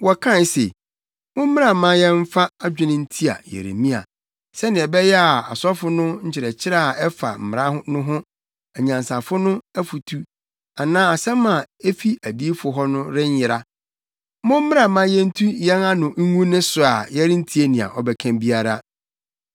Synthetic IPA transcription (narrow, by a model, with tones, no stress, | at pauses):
wɔ˨kʰã˦n˦sḛ˨ | mʊ̃˦m̩˦ɪ̃˦a˨mã˦jɛ̃˦m̩˦fa˦a˦d͡ʑᶣʊ˦nɪ̃˦n̩˦tʰi˦a̰˨jḛ˨ɾḛ˨mĩ˦a̰˨ | sɛ˦nɪ̃˨ɛ˨bɛ˦jɛ˦a˨a̰˨sɔ˦fʊ˦nʊ̃˦ɲ̩˦t͡ɕʰɪ˨ɾɛ˨t͡ɕʰɪ˦ɾa˦˨a˨ɛ˦fa̰˨m̩˨mɪ˨ɾa˦ɦʊ˦nʊ̃˦ɦʊ̃˦ | ɛ˨ɲã˨nsa˨fʊ˦nʊ̃˦æ˦fu˨tʰu˦ | a˨nãː˦a˨sɛ̃˦mã˨e˦fi˦ʔæ˨di˦fʊ˨ɦɔ˦nʊ̃˦ɾɪ˦ɲ˦jɪ˨ɾa˦ | mʊ̃˦m̩˦ɪ̃˦a˨mã˦jɛ̃˦n̩˦tʰu˦jɛ̃˦na˦nʊ̃˨ŋ̩˦ŋũ˦nɪ̃˦sʊ˨a˨jɛ˦ɾɪ˦n̩˦tʰi˦e˦nɪ̃˨a̰˨ʔɔ˨bɛ˨kʰæ̃˦mbi˦a˦˨ɾa˦